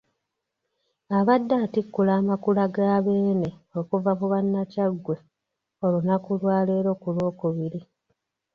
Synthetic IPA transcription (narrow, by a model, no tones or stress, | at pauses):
aβadːaːtikːulaːmakulaɡaːβe̞ːne̞o̞kuvamuβanːacaɡwe̞ | o̞lunakulwaːle̞ːɾo̞ːkulo̞ːkuβiɾi